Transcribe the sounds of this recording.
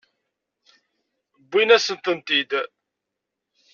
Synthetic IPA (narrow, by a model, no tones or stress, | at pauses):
bːinæsənt̪ənt̪id̪